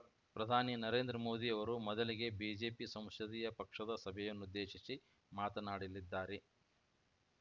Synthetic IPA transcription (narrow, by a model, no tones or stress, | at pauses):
pɾɐd̪ʱaːninɐɾe̞ːnd̪ɾɐmo̞ːd̪iɐʋɐɾumɔd̪ɐliɡe̞biːd͡ʒe̞ːpisɐ̃m̃sɐd̪ijɐpɐkʂɐd̪ɐsɐbʱɛjɐnːud̪ːe̞ːʃisi | maːt̪ɐnaːɽilːid̪ːaːɾe